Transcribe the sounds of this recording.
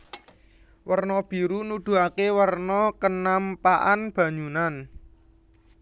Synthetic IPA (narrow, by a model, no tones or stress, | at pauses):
wərnɔb̥i̤ɾunud̪̥ṳakewərnɔkənampaʔanb̥ä̤ɲd͡ʒunan